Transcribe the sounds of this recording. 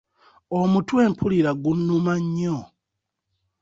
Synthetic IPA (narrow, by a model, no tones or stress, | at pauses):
omutwe̞ːmpʰuliɾaɡunːumaɲːo